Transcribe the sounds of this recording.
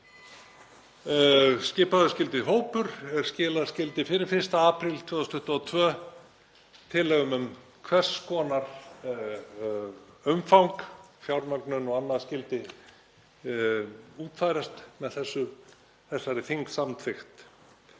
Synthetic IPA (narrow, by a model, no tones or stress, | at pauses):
scɪːpaðʏscɪlt̪ɪɦoːwpʏɾ̥ɛɾ̥scɪːlaðscɪlt̪ɪfɪɾɪɾfɪr̥st̪aaːpɾɪlt̪ʰvœːðʏst̪ʏht̪ɔt̪ʰvœː | t̪ʰɪlːɛːɣʏmʏm | kʰvɛr̥skʰɔːnaɾ̥ | ʏmfawŋkfjawɾmœɾknʏnɔɣanːaðscɪlt̪ɪ | uːt̪fajɾast̪mɛðθɛsːʏ | θɛsːaɾɪθiŋksamt̪ʰfɪxt̪